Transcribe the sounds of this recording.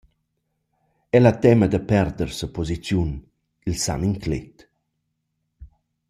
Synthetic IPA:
ɛlat̪ɛməd̪əpɛɾd̪ərsəpɔzit͡sjun | ilsa̰miŋklḛt̪

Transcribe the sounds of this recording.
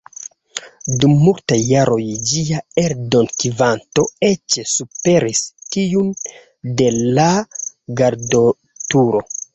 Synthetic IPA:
dumːultajːaɾʔo̞jd͡ʒiaeɾdo̞nkivanto̞e̞t͡ʃesupe̞ɾistiun | de̞laɡaɾdo | tuɾo̞

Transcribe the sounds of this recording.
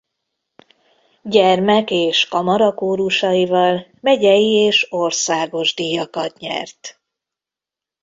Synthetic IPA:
ɟɛrmɛkeːʃkɒmɒɾɒkoːɾuʃɒjivɒlmɛɟɛjieːʃo̞rsaːɡo̞ʒd̪ijɒkɒt̪ɲɛ̰rt̪

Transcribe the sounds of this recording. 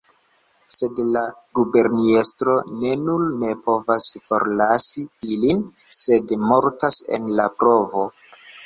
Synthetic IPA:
se̞dlaɡube̞ɾniestɾo̞ne̞nulne̞po̞vasfo̞̰ɾlasiilin | se̞dmo̞ɾtase̞̰nlapɾo̞vo̞

